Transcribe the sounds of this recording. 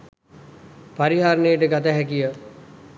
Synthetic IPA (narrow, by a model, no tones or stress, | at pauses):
paɾiɦaːɾnəjəʈəɡat̪aɦækijə